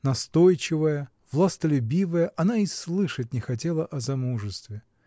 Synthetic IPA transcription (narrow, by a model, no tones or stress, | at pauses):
nɐst̪o̞jt͡ɕɪvəjə | vlˠast̪əlʲʊbʲivəjəʔɐnaislˠɨʂət̚ʲnʲɪxɐt̬ʲelˠəʔɐzɐmuʐɨst̪vʲɪ